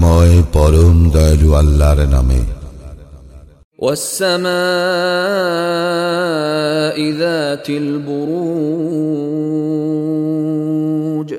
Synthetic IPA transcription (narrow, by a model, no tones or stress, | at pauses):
mɔepɔɾond̪ɔjd͡ʒualːaɾena̰mḛ | wʔasːamaː | ʔɪðaːt̪ɪlbʊɾuː | d͡ʒ